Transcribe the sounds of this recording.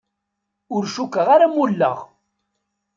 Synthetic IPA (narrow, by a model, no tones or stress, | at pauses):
ʊɾʃukːəʁaɾamulːə̰ʁ